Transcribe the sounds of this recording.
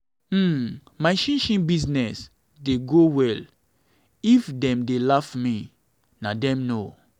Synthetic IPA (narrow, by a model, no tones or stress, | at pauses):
maɪʃĩnʃĩnbiznɛs | deɡowɛl | ifdɛ̃mdelafmi | nadɛ̃mno